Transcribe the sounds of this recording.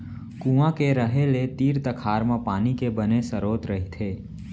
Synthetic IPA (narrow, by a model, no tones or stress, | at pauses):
kũːãkeɾəɦelet̪iːɾt̪əkʰaːɾmãpaːnikebənesəɾoːt̪ɾɐɦit̪ʰeː